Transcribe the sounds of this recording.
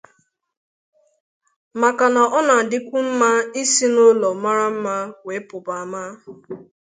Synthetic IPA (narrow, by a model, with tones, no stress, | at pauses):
ma˨ka˨na˨ʔɔ˦na˨dɪ˦kʷu˦m̩˦ma˦i˦si˦no˦lɔ˨ma˦ɾa˦m̩˦ma˦we˨˦pʊ˨ba˨ma˦